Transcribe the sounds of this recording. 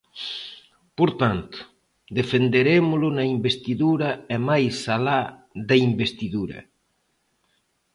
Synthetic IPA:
poɾt̪ant̪ʊ̥ | d̪efend̪eɾemʊlʊnaimbest̪iðuɾaemajsalaðaimbest̪iðuɾɐ̰

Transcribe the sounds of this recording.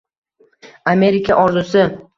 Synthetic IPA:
ame̞ɾɪkʲʰaʔɒɾzʊsɪ

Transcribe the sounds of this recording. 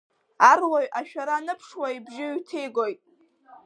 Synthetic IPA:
arloɥʔaʃᶣaɾanɨpʰʂwaibʒɪɥtʰejɡojtʼ

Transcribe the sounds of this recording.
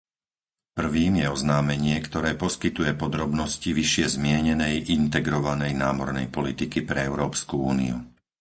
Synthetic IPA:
pr̩ʋiːmjɛɔznaːmɛɲɪɛkt̪ɔɾɛːpɔskit̪ujɛpɔd̪ɾɔbnɔsciʋiʃɪɛzmɪɛɲɛnɛjʔint̪ɛɡɾɔʋanɛjnaːmɔɾnɛjpɔlit̪ikipɾɛɛʊɾɔːpskuuːnḭṵ

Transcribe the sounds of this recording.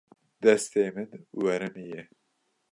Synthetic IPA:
d̪ɛst̪eːmɨnwɛɾɨmijɛ

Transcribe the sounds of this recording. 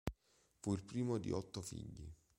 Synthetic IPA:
fuilpɾiːmod̪ḭʔɔt̪ːofḭʎːi

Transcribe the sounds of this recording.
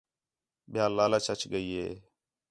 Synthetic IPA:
ɓɪjaːlːaːlaːt͡ʃʰət͡ʃɡəiːɦḛː

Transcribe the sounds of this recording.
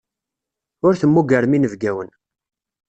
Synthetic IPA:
ʊɾθəmːuɡəɾminəvɡæwən

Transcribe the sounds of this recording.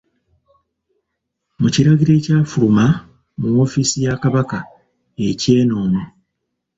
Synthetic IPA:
muciɾaɡiɾe̞ːcaːfuluma | muwo̞ːfisijakaβaka | e̞ce̞ːno̞ːmu

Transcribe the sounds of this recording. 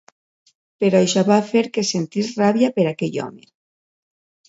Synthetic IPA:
peɾaʃaβafeɾkesent̪israβjapeɾakeʎɔ̰mḛ

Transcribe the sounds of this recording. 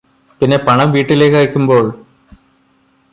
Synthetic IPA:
pinːe̞pɐɳɐmʋiːʈːile̞ːkːɐɣikʲːumbo̞ːɭ

